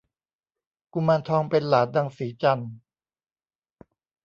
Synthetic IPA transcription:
ku˧˨maː˧nt̪ʰɔː˧ŋpe˧nlaː˩˦t̪̚da˧˩ŋsiː˨˩˦t͡ɕa˧n

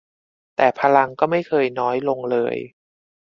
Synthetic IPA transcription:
t̪ɛː˨˩pʰa˧la˧ŋkɔː˥˩ma˥˩jkʰɤː˧jnɔː˦˥jlo˧ŋlɤ̰ː˧j

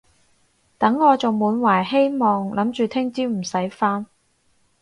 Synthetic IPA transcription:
t̪ɐ˨˥ŋːɔː˨˧t͡sʊ˨˩wmuː˨˧˥nwaː˨˩jɦe˥jmɔː˨ŋlʔɐ˨˥mt͡ʃyː˨t̪ʰɪ˥ŋt͡siː˥m̩˨˩sɐ˨˥jfaː˥n

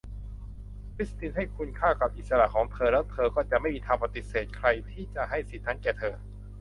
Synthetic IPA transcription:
kʰɾi˦˥st̪i˧nɦa˥˩jkʰu˧nkʰaː˥˩ka˨˩p̚ʔi˨˩t̪̚sa˧ɾa˨˩ʔkʰɔː˩˦ŋt̪ʰɤː˧lɛː˦˥wt̪ʰɤː˧kɔː˥˩t͡ɕa˨ʔma˥˩jmiː˧t̪ʰaː˧pa˧t̪i˨˩seː˨˩t̪̚kʰɾa˧jt̪ʰiː˥˩t͡ɕa˨˩ʔɦa˥˩jsi˨˩t̪̚ʰna˦˥nkɛː˨˩t̪ʰɤː˧

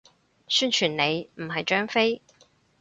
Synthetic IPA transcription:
syː˥nt͡ʃʰyː˨˩nne˨˧jm̩˨˩ɦɐ˨jt͡ʃœː˥ŋfe˥j

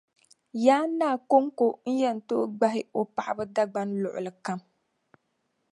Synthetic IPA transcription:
jaː˦nːaː˦˨ko˦ŋko˦n̩˦jɛ˦n̩˨to˦ɡ͡ba˦ɦɪ˦o˨pa˨ʔa˨bɨ˦da˦ɡ͡ba˦nlʊ˨ʔʊ̰˨lɨ˨ka˦m

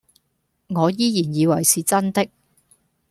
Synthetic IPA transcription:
ŋɔː˨˧jiː˥jiː˨˩njiː˨˧wɐ˨˩jsiː˨t͡sɐ˥nt̪ɪ˥k̚

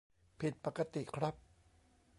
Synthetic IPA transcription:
pʰi˨˩t̪̚pa˨˩ka˧t̪i˨kʰɾa˦˥p̚

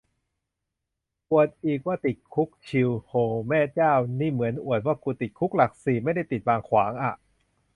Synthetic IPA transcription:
ʔu˨˩ət̪̚ʔiː˨˩k̚waː˥˩t̪i˨˩t̪̚kʰu˦˥k̚t͡ɕʰi˧whoː˧mɛː˥˩t͡ɕaː˥˩wniː˥˩mɯ˩˦ənʔu˨˩ət̪̚waː˥˩kuː˧t̪i˨˩t̪̚kʰu˦˥k̚la˨˩k̚siː˨˩ma˥˩jda˥˩jt̪i˨˩t̪̚waː˧ŋkʰwaː˩˦ŋʔa˨˩ʔ

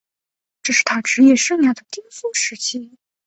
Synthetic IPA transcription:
ʈ͡ʂɤ˥˩ʂɻ̩˥˩t̪ʰa˥ʈ͡ʂɻ̩˧˥jɛ˥˩˧ʂɤ˥˧ŋnja˥˩d̪ə˩t̪i˥ŋfu˥˩ʂɻ̩˧˥t͡ɕʰi˥

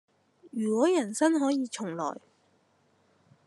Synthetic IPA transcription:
jyː˨˩kɔː˨˥jɐ˨˩nsɐ˥nɦɔː˨˥jiː˨˧t͡ʃʰʊ˨˩ŋlɔ̰ː˨˩j

